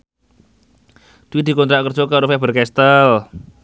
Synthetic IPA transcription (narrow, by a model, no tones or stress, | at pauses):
d̪̥wid̪̥i̤kɔnt̪ɾaʔkərd͡ʒokaɾufɛb̥ərkɛst̪əl